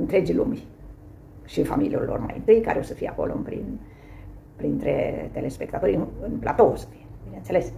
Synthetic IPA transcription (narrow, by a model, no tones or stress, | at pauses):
ɨnt̪ɾe̞d͡ʒilumʲ | ʃiɨnfamilijurʲlo̞̰rma̰jɨ̰nt̪ɨjka̰ɾeo̞səfijeako̞lo̰ɨnpɾḭn | pɾint̪ɾḛt̪elespe̞kt̪at̪oɾʲɨnɨnplat̪oosə̥fijebinensele̞s